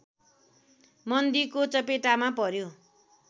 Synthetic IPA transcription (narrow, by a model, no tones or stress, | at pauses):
mʌnd̪ikot͡sʌpeʈamapʌɾjo